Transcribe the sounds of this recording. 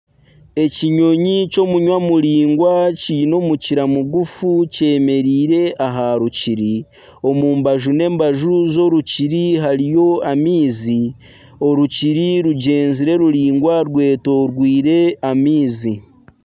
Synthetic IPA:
e̞ciɲo̞ɲico̞muɲwamuɾiːŋɡwaciːno̞ːmuciɾamuɡufuce̞ːme̞ɾiːɾe̞ʔaɦaɾuciɾi | o̞muːmbaʒune̞ːmbaʒuzo̞ɾuciɾiɦaɾijo̞amiːzi | o̞ɾuciɾiɾuɟe̞ːnziɾe̞ɾuɾiːŋɡwaɾwe̞ːto̞ɾɡwiːɾe̞amiːzi

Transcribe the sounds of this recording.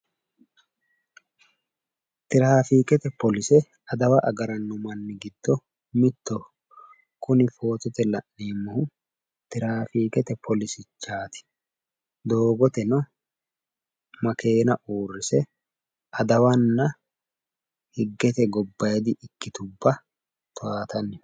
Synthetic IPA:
t̪ɪɾaːfiːkɛt̪ɛpɔlɪsɛ | ɐd̪ɐwɐʔɐɡɐɾɐnːʊmɐnːɪɡɪd̪̥ːɔ | mɪt̪ːɔ | kʊnɪfo̞ːt̪ɔt̪ɛlɐʔːeːmːɐhʊ | t̪ɪɾaːfiːkɛt̪ɛpʰɔlɪsɪt͡ʃːaːt̪ɪ̥ | d̪o̞ːɡɔt̪ɛnɐ | mɐke̞ːnɐʔuːrːɪsɛ | ʔɐd̪ɐwɐnːɐ | hɪɡːɛt̪ɛɡɔbːɐjɛd̪ɪʔɪkːɪt̪ʊbːɐ | t̪ʊaːt̪ɐnːɛ

